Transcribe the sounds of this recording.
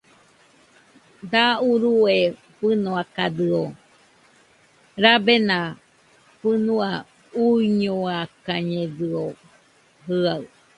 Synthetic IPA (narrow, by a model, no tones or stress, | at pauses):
d̪auɾue | ɸɨnoakaðɨo | ɾabenã | pɨnua | uiɲoakaɲẽðɨo | ɦɨaɨ